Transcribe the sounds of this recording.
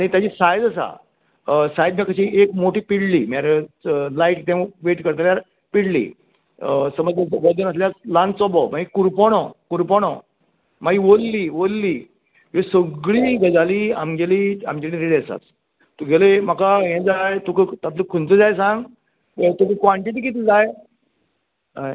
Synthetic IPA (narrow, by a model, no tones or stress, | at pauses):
aɽ̃it̪jat͡ɕiːsajd̪əsa̰ | sajd̪̚mjakəɕiekmoʈiːpiɽliːmaɾlajʈʈ̪ẽʋeʈkəɾt̪aljaɾ | piɽlḭː | səməd͡zəʋəd̪ənəs̬ljaslãnt͡sɔbɔmaɡikuɾpɔɽ̃ɔkuɾpɔɽ̃ɔ | maɡiʋolːiːʋolːiː | jesəɡɭiːɡəd͡zaliːa̰mɡɛliːa̰md͡ʑelĩɾiɽɛsa̰t͡s | t̪uɡʱɛlem̤akaɦɛ̃d͡zajt̪ukət̪at̪ləkʰunt͡səd͡zajsãŋɡ | t̪uk̪ikaɳʈit̪̬ikit̪id͡zaj | aj